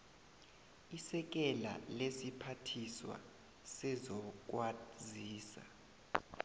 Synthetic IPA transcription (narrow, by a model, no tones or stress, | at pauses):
isɛk̬ɛla̰lesipʰatʰiswa̰ | sɛzɔk̬waziːsa̰